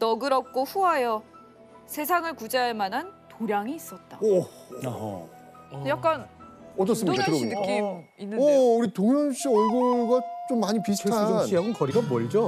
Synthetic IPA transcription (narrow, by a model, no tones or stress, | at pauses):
nʌɡɯɾʌp̚k͈oɸuɦajʌ | sʰe̞sʰaŋɯɭkud͡ʑaɦemanɦantoɾjaŋiːs͈ʌt̚t͈a̰ | jakk͈anʌt͡ɕ͈ːʌs͈ɯmiakɯɾonɯkk͈iminːɯʌuɾitoŋjʌnɕ͈ʰiʌɭɡoɭɡat͡ɕomːaɲipisʰaanʰiɦaɡonkʌɾiɡabʌɾid͡ʑo